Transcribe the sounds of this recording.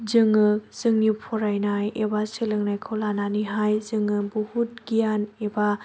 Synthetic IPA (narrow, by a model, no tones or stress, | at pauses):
zɯŋɯz̥ɯŋnipʰɔɾajnajebasɯlɯŋnajkʰowlananiɦajzɯŋɯbuhut̚ɡ̥ijaneba